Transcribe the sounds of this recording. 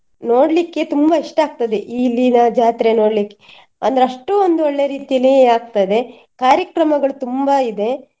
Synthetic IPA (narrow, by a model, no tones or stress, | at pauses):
no̞ːɽlikːe̞t̪umbɐiʂʈaːɡ̚t̪ɐd̪e̞ʔiːlːinɐd͡ʒaːt̪ɾeno̞ːɽlikːe̥ | a̰nd̪ɐɾeɐʂʈuond̪uoɭːeɾiːt̪ijɐlːiaːɡ̚t̪ɐd̪e̞ | kaːɾjɐkɾɐmɐɡɐɭut̪umbɐid̪e̞